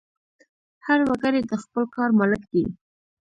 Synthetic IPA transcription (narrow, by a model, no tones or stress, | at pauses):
haɾwaɡaɾjed̪əxpəlkɑɾmaləkd̪i